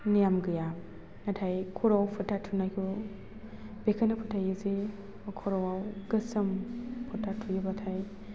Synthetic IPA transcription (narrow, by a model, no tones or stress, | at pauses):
nijamɡɯja | natʰajkʰɔɾawpʰɯtʰatʰunajkʰu | bekʰanapʰɔtʰajɯze | kʰɔɾawawɡɯsɐmpʰɔtʰːatʰujɯbatʰaj